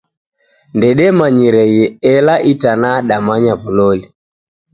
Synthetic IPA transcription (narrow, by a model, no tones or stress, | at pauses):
ndɛɗɛmaɲiɾɛjɛɛlaʔitanaɗamaɲaβulɔli